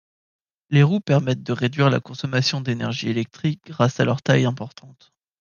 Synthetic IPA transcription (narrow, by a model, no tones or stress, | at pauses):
leʁupɛʁmɛt̪̚d̪əʁed̪ɥiʁla̰kɔ̃sɔmasjɔ̃d̪enɛʁʒielɛk̚t̪χik̚ɡʁasalœʁt̪ajɛ̃pɔʁt̪ʰɑ̃t̪